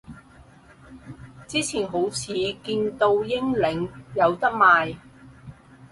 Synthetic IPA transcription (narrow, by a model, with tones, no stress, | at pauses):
t͡siː˥t͡sʰiː˨˩nɦo˨˥wt͡sʰiː˨˧kiː˧nt̪o˧wjɪ˥ŋlɪ˨˥ŋjɐ˨˧wt̪ɐ˥k̚maː˨j